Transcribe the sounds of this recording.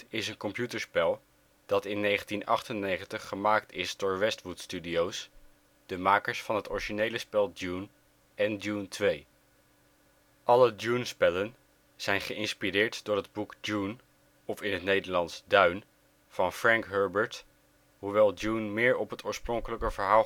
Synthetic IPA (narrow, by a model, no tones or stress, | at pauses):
ɪsənkɔmpjutəɹspɛlˠ | d̥ɑtɪnːejχəntinɑ̰χtənːejχəntəχːəmaːktʰɪsdʊːɹʋɛstʋutstydiows | d̥əmaːkəɹsfɑnɦətɔɹiʒinejləspɛlˠdun | ɛnduntʰʋej | ʔɑlədunspɛlən | z̥ɛjnχəʔɪnspirɪːɹtd̥ʊːɹɦəd̚bukd͡ʒun | ɔfɪnɦətnejdəɹlɑntsdœɥn | v̥ɑnfrɛŋkɦɜɹbəɹt | ɦuʋɛlˠdunmɪːɹɔpɦətʊːɹsprɔŋkələkəvəɹɦaː